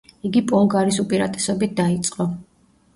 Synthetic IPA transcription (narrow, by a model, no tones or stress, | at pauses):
iɡipʼɔŋɡaɾisupʼiɾa̰t̪ʼɛ̥sɔbit̪̚d̪ait̪sʼqʼɔ